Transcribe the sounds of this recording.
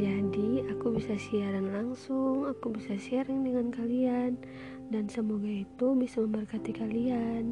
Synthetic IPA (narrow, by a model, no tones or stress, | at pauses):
d͡ʒadiakubisasiaɾanlaŋsʊŋakubisasiaɾaŋdəŋankalian | dansəmoɡait̪ubisaməmbərkat̪ikalian